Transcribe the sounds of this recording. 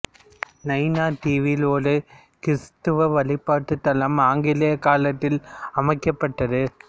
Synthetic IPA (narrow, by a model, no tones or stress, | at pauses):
nɐɪnaːʈiːʋiloːlɯ | kɪst̪ɯʋɐʋɐlɪpːaːʈːɯt̪ːɐlɐmaːŋɡɪlɐjɐkaːlɐt̪ːɪlɐmɐɪkːɐpːɐʈːɐðɯ